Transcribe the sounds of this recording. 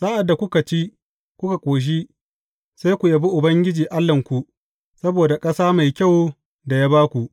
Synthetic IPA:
saː˦ʔa˨dːa˨kʷʊ˦ka˨t͡ʃi˦ | kʷʊ˦ka˨kʷʼoː˨ʃ̬i˦ | sa˦jkʷu˨ja˦bi˦ʔʊ˨bɐ˦ŋɡʲɪ˦d͡ʒiː˨ʔa˦lːɐ˨ŋkʷu˨ʔ | sɐ˦boː˨da˨kʼɐ˦saː˦ma˨jkʲa˦˨w | da˨jaː˦baː˦kʷu˨ʔ

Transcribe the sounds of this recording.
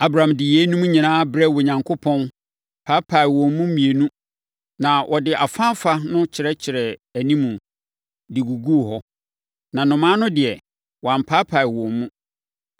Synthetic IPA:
a˦bɾa˨ã˨mdɪ˨jɛ˦nũ˦mũ˦ɲĩ˨nãː˦bɾɛ˦wo˨ɲã˨ŋkʰo˦pʰɔ̃˦n | pʰa˦pʰa˨ɪ˨wɔ̃˨mː˦ũ˦m̩˦mĩ˨e˨nũ˦ | nã˨ʔɔ˨dɪ˨ʔa˨fã˦m˦fa˦nʊ̃˦t͡ɕʰɪ˨ɾɛ˦t͡ɕʰɪ˨ɾɛ˨æ˨nĩ˦mũ˨ | dɪ˨ɡu˨ɡu˦˨ɦɔ˦ | nã˨nʊ̃˨mãː˦nʊ̃˦dɪ˨ɛ˨ | wɔ˨ã˨m˨pʰa˦pʰa˨ɪ˨wɔ̃˨mmũ˦

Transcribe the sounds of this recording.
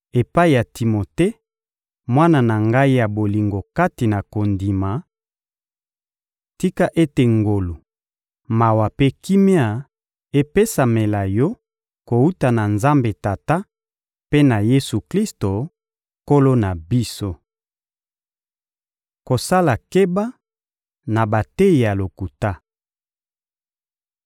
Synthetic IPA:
e˨pa˦i˨ja˨ti˨mo˨te˦ | mwa˦na˨na˨ŋɡa˦i˦ja˨bo˨li˨ŋɡo˨ka˦ti˨na˨ko˨ndi˨ma˨ | ti˦ka˦ʔe˦te˨ŋɡo˨lo˨ | ma˨wa˨pe˦ki˦me˦a˨ | e˦pe˦sa˨me˨la˨jɔ˦ | ko˨u˦ta˨na˨nza˦mbe˨ta˨ta˦ | pe˦na˨je˦su˨kli˦sto˨ | ko˦lo˦na˨bi˦so˦ | ko˨sa˦la˨ke˦ba˦ | na˨ba˨te˦˨ja˨lo˨ku˨ta˦

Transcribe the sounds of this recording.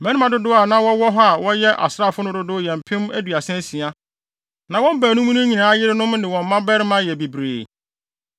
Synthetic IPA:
mɛ̃˦ni˦mã˨dʊ˦dʊ˦a˨nã˦wɔ˦wɔ˦ɦɔ˦a˨wɔ̃˦jɛ˦ʔa̰˨sɾa˦˨fʊ˦nʊ̃˦dʊ˦dʊ˦jɛ̃˨m̩˨pʰɪ̃˦m˦æ˦dɥa˨sɛ̃˦si˨a˦ | nã˨wɔ̃˦m˦bæː˨nʊ̃˦m˦nʊ̃˦ɲĩ˨nãː˨˦jɪ˦ɾɪ˦nʊ̃˦mnɪ̃˨wɔ̃˨m̩˨mã˦bɛ˦ɾɪ˦mã˦jɛ˨bi˨bɾḛː˨

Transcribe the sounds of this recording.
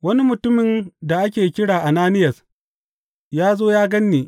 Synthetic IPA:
wɐ˦ni˦mʊ˨tʊ˦mɪ˨nda˨ʔa˦k̬ʲeː˨kʲɪ˦ɽaː˨ʔa˨naː˦nɪ˦jɐ˨s | jaː˦zoː˦jaː˦ɡɐ˦nːeː˨

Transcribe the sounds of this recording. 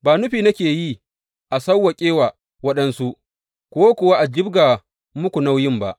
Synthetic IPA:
baː˨nʊ˦ɸiː˨nɐ˦kʲeː˨ji˦ | ʔa˨sɐ˦wːɐ˨kʲʼeː˦wa˨ | wɐ˦ɗɐ˦nsu˦ʔ | kʷo˦wa˦kʷʊ˨wa˦ʔa˨d͡ʒɪ˦bɡa˨ | mʊ˦kʷu˨na˦wjɪ˦mba˦ʔ

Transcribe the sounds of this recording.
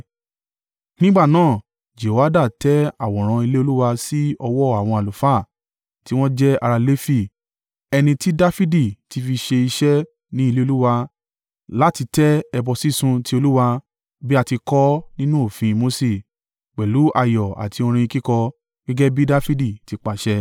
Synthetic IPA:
nĩ˦ɡ͡ba˦˨nãː˦˨ | d͡ʒe˨wa˦da˦˨tɛ˦a˦˨wɔ̃˨ɾ̃ã˧i˧le˦o˧lu˦wa˧si˦ɔ˧wɔ˦˨a˨w̃ɔ̃˧a˨lu˨fa˦˨ | ti˦w̃ɔ̃˦d͡ʒɛ˦a̰˧ɾa˧le˦fi˦ | ɛ˧nĩ˧ti˦da˦fi˦di˦˨ti˨˧fi˧ʃe˧i˧ʃɛ˦ | nĩ˦i˧le˦o˧lu˦wa˧ | la˦ti˧tɛ˦ɛ˧bɔ˧si˦sũ˧ti˦o˧lu˦wa˧ | bi˦a˧ti˧kɔ˦nĩ˦nũ˦o˦˨fĩ˧mo˦se˨ | k͡pɛ˨lu˨˦ʔa˧˨jɔ˨a̰˨tʰi˧o˧ɾ̃ĩ˧i˧ki˦kɔ˧ | ɡ̥ɛ˦ɡɛ˦bi˦da˦fi˦di˦˨ti˧˦k͡pa˨ʃɛ˧

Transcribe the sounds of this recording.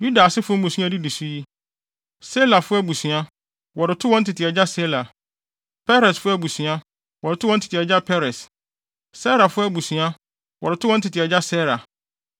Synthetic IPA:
ju˦da˨sɪ˦fʊ˦mũ˨su˦a˨di˦di˨su˦ji˦ | sɛ˦la˨fʊ˦æ˦bu˨sɥ̃a˦ | wɔ˨ɾɪ˨tʰʊ˦wɔ̃˦n̩˦tʰɪ˨tʰɪ˨ɛ˨d͡ʑa˦sɛ˦la˨ | pʰɛ˦ɾɛ˨sfʊ˦æ˦˨bu˨sɥ̃a˦ | wɔ˨ɾɪ˨tʰʊ˦wɔ̃˦n̩˦tʰɪ̥˨tɪ˨ɛ˨d͡ʑa˦pʰɛ˦ɾɛ˨s | sɛ˦ɾa˨fʊ˦æ˦bu˨sɥ̃a˦ | wɔ˨ɾɪ˨tʰʊ˦wɔ̃˦n̩˦tʰɪ˨tʰɪ˨ɛ˨d͡ʑa˦sɛ˦ɾa˨

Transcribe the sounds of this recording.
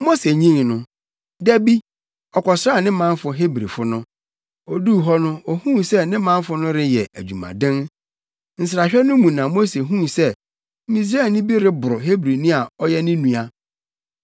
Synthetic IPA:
mo˦se˨ɲĩ˦ŋnʊ̃˦ | dæ˦bi˦ | ɔ˨kʰɔ˨sɾa˦˨nɪ̃˦mã˦n˦fʊ˨ɦe˦bɾi˨fʊ˦nʊ̃˦ | ɔ˨du˦˨ɦɔ˦nʊ̃˦ɔ˨hũ˦sɛ˦nɪ̃˦mã˦n˦fʊ˦nʊ̃˦ɾɪ˦jɛ˨ʔæ˨d͡ʑᶣu˨mã̰˨dɪ̃˦n | n̩˨s̬ɪ˨ɾa˨ɕᶣɛ˦nʊ̃˦mũ˨nã˨mo˦se˨ɦũ˦sɛ˦ | mĩ˨s̬ɾa˦˨nɪ̃˦bi˦ɾɪ˦bʊ˨ɾʊ˨ɦe˦bɾi˨nũ˦a˨ɔ˦jɛ˦nɪ̃˦nũ˨a˨

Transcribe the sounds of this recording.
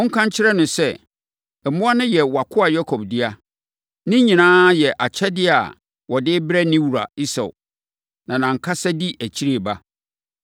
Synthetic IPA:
ɔ̃˦ŋ̩˦kʰã˦ɲ˦t͡ɕʰɪ˦ɾɛ˦nʊ̃˨sɛ˦ | ɛ˨mʊ̃˦a˦nʊ̃˦jɛ˨wa˨kʰʊ˦a˨jɔ˦kʰɔ˨bdɪ˦a˦ | nɪ̃˦ɲĩ˨nãː˦jɛ˨ʔa˨t͡ɕʰɛ˦dɪ˦a̰˨ | wɔ˨dɪ˦bɾɛ˦nɪ̃˦wu˨ɾa̰˨i˦sa̰˨ʊ˨ | nã˨nã˨ŋ̩˨kʰa˦sa˦di˦ʔæ˨t͡ɕʰi˦ɾe˨ba˦

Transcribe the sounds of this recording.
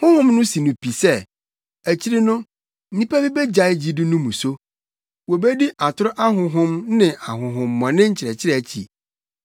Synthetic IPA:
hʊ̃˦hʊ̃˦mnʊ̃˦si˨nʊ̃˨pʰi˨sɛ˦ | æ˨t͡ɕʰi˦ɾɪ˦nʊ̃˦ | n̩˦ĩ˦pæ˦bi˦bɛ˦d͡ʑa˨ɪ˦d͡ʑi˦dʊ˦nʊ̃˦mũ˨so˦ | wo˨be˦di˦ʔa˨tʰʊ˦ɾʊ˦ʔa˦ɦʊ̃˨ɦʊ̃˦mnɪ̃˨ʔa˨ɦʊ̃˨ɦʊ̃˨mː˦ɔ̃˨nɪ̃˦ɲ̩˦t͡ɕʰɪ˨ɾɛ˨t͡ɕʰɪ˦ɾɛ˦˨æ˨t͡ɕʰḭ˨

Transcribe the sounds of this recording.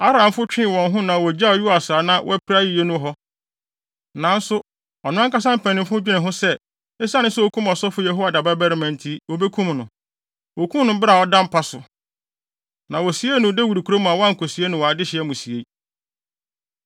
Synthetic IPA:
a˦ɾã˨mfʊ˦t͡ɕᶣɪ̃˦˨wɔ̃˨nɦʊ̃˦nã˨wɔ˨d͡ʑa˦ɔ˨ju˦a˨sa˨nã˨wʔɔ̰˦æ˦pʰɾa˦ji˨je˦nʊ̃˦ɦɔ˦ | nã˨n˦sʊ˦ | ɔ˨nʊ̃˦ã˦ka˦s̬ã˦m̩˦pʰɛ̃˨nɪ̃˨mfʊ̃˦d͡ʑᶣi˦nɪ̃˨ɦʊ̃˦sɛ˦ | ɛ˦sa˦nɪ̃˦sɛ˦wo˦kʰũ˦mɔ˨sɔ˦fʊ˦jɛ˨ɦo˦wa˨da˨ba˦bɛ˦ɾɪ˨˦mɛ̃˨ntʰi˦wo˨be˦kʰũ˦mnʊ̃˨ | wo˨kʰũ˦mnʊ̃˦bɪ˦ɾa˨ɔ˦dã˦m˦pʰa˦sʊ˨ | nã˨wɔ˨si˨˦e˦nʊ̃˨de˦wi˨dkʰu˨ɾo˦mũ˨a˨wɔ˦ã˦ŋ̩˨kʰo˨si˨˦e˦nʊ̃˦wɔ˨a˨dɪ˦ɕɪ˨ɛ˦mũ˨si˨e˦

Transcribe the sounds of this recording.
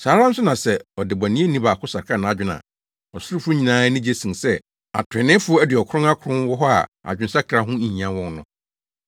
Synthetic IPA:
saː˨˦ɾã˦n̩˦sʊ˦nã˨sɛ˨ɔ˨dɪ˨ba˨nĩ˦e˦nĩ˦ba˨kʰʊ˦sa˨ɾkʰa˦˨nã˨a˦d͡ʑᶣʊ˦nã̰˨ | ɔ˨sʊ˦ɾʊ˦fʊ˦ɲĩ˨nãː˦nɪ̃˦d͡ʑe˦sĩ˨sɛ˦ | a̰˨tʰɪ̃˨nɪ̃˦fʊ˦ɔ˦ɛ˦dɪ˨ɔ˨kʰʊ̃˦a˦kʰɾʊ̃˦wɔ˦ɦɔ˦a̰˨a̰˨d͡ʑᶣɪ̃˨˦n˦sa˦kʰɾa˦ɦʊ̃˦ĩ˨ɲ˨ã˦wɔ̃˦nnʊ̃˨˦

